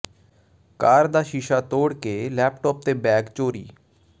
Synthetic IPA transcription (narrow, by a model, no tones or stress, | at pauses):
kaːɾd̪aːʃiʃaːt̪oːɽkeːlɛːpʈɔːp̚t̪eːbɛːɡt͡ʃoːɾḭː